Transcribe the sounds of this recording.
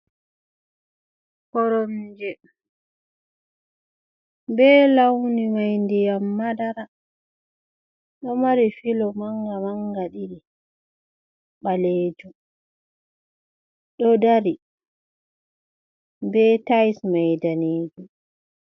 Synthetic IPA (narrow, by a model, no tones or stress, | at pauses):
kɔɾɔnd͡ʒɛ | bɛːlawnimajndɛjamːadaɾa | ɗɔmaɾifilɔmaŋɡamaŋɡaɗiɾi | ɓaleːd͡ʒu | ɗɔdaɾi | bɛtajsmajdaneːd͡ʒu